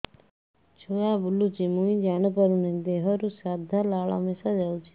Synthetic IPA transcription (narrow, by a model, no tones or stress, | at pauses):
t͡ʃʰoaːbʊlut͡ʃimũĩd͡ʒaːñəpəɾunẽd̪eːɦəɾusaːd̪ʱalaːɭa̰mesad͡ʒaːut͡ʃʰi̥